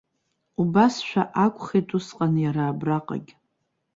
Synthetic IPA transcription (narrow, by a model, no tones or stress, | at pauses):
ubasʃʷᶣaʔakʷʼχetʰʼusqʼanjaɾaːbraqʼa̰ɡʲ